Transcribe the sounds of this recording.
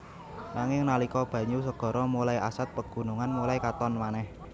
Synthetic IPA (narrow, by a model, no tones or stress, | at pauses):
naŋɪŋnalikɔb̥ä̤ɲus̬əɡ̥ɔ̤ɾʔɔmulaiʔasat̪̚pəɡ̥ṳnuŋanmulaikat̪ɔnmanɛh